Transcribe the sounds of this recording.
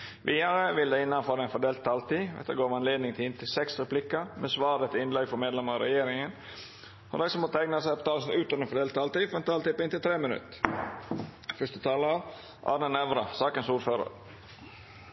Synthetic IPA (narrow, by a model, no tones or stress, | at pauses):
ʋʔiːɑɾəʋɪld̪æɪnːɑnfɔːɾɛnfɔɖ̪eːlt̪ʰːɑːlt̪iːʋɛ̰t̪ːəɡoːɾmɑnleːd̪nɪŋt̪ʰɪɪnt̪ʰɪlsɛksɾɛplɪkːəmɛsʋɑːdɛt̪ɪnlɛɡfɔɾmeːd̪lɛməɾɑɾɛjeːɾɪŋən | ɔ̰d̪æɪsɔmoːt̪əæɪɡnəsæɪpɔ̥t̪ʰɑːlsnʉːt̪ɑənfɔɖ̪eːlt̪ʰːɑːlt̪iːfɔɾɛnt̪ʰɑːlt̪iːpɔɪnt̪ɪlt̪ʰɾeːmənʉ̰t̪ː | fœʂt̪ət̪ʰɑːləɑʋ | ʔɑ̰ːɾnənɛʋɾɑ̰sɑːkənsuːɾføːɾə̰ɾ